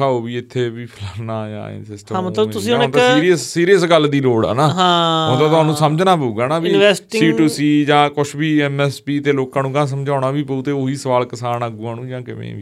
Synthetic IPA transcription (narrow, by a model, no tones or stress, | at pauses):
aːoːbiːɪt̪ʰːeːbiːpʰɪlaːnaːd͡ʒã̰ːnsɪsʈəãːmət̪ləbt̪ʊsĩɦʊnɪ̃t̪aiːɾiəsːiːɾijəsɡəlːd̪iːɾoːɽɛ̰ːnãːɦãːõːt̪aːt̪ʊɦaːnũːsəməd͡ʒnaːpəuːɡaːnãːbiːnɛːsʈsɪ̃iːʈuːsiːd͡ʒãːkʊt͡ʃʰbiːɛːmɛːspiːt̪eːloːkãːnũːkãːs̬əmd͡ʒaːʊnaːbiːpəuːt̪eːoiːsəʋaːlkəsaːnaːɡuːãːnũːd͡ʒãːkɪmḛ̃ːʋḭː